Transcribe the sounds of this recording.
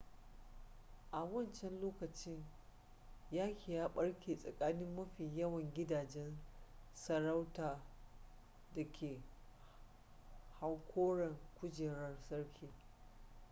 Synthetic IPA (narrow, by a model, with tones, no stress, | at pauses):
ʔa˨wɐ˦˨nt͡ʃɛ˦nloː˦kɐ˨t͡ʃɪ˦ɲ | jaː˦kʲi˨jaː˦ɓɐ˦ɽkʲʰeː˨sʼɐ˨kʼaː˦nɪ˦mːɐ˦ɸiː˨jɐ˦wɐ˨ŋɡʲɪ˦daː˨d͡ʒɛ˦nsɐ˨ɾa˦wtaː˨ | dɐ˨kʲʰeː˨ | ha˦wkʷʰoː˦ɽɐ˨ŋkʷʊ˦d͡ʒeː˨ɽɐ˦rsɐ˦ɽkʲʰiː˨